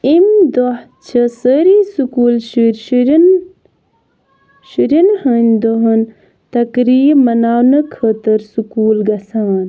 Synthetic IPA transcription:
imd̪oh | t͡ʃʰɐsəɾisukuːlʃiɾʃɾn | ʃiɾinhənʲd̪oɦɐn | t̪ɐkɾiːmɐnaːwnɐkʰət̪əɾsukuːlɡɐsaːn

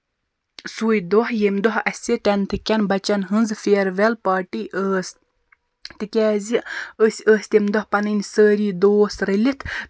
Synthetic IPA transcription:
suːjd̪ohjemd̪ɔɦɐsʲeʈɐnt̪ʰɨkʲːɐnbɐt͡ʃɐnɦɨnzfeːɾʋɛlpaːʈiʔəːs | t̪ɨkʲɛːziəsʲəːsʲt̪ʲemd̪ɔhpɐnɨnʲsəːɾiːd̪oːsɾelʲit̪ʰ

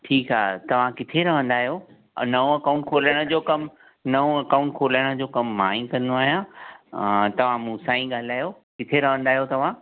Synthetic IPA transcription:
ʈʰiːkɦaːt̪ɐʋ̤ãkɪt̪ʰeɾɐʋ̤ə̃nd̪aːɦijo̰ | nɐõɐkaːʊ̃ɳʈ̚kʰoːləɽ̃ə̆d͡ʑoːkɐm | nɐõɐkaːʊ̃ɳʈ̚kʰoːləɽ̃ə̆d͡ʑoːkɐmːaːĩŋkɐ̃nd̪oaːɦjã | t̪ɐʋ̤ãmũːsãːĩɠaːlaːjo | kɪt̪ʰeɾɐɦə̃nd̪aːɦijot̪ɐʋ̤ã

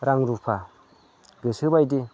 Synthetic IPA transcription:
ɾaŋɾupʰa | ɡɯsɯbajdi

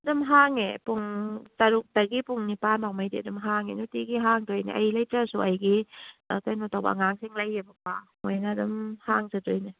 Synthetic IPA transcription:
dɔmɦaŋepuŋtaɾuk̚taɡipuŋnipanawmajdidɔmɦaŋenutiɡiɦaŋdojna̰ʔajlajtasuʔajɡikajnɔtawba̰ŋaŋsiŋlajːebapamɔjnadɔmhaŋsɯdɔjna

